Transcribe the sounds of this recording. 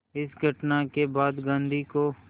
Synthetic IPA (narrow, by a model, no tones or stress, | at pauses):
ɪsɡʱɐʈnakebaːd̪ɡãːnd̪ʱiko